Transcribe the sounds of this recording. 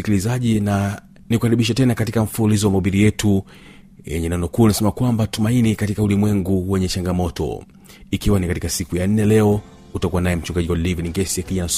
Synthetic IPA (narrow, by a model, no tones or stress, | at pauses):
ikilizaʄina | nikuhaɾiɓiʃ̬atɛnakatikam̩fuulizɔwamaɓiɾijɛtu | jɛ̰ɲɛnɛnɔkuːnasɛmakwambatumainikatikaulimwɛŋɡuwɛɲɛt͡ʃaŋɡamɔtɔ̰ | ikiwanikatikasikujan̩nɛlɛɔ | utakuwanajɛm̩t͡ʃuŋɡaʄiwadɛlivaniŋɡɛsijakiʄanas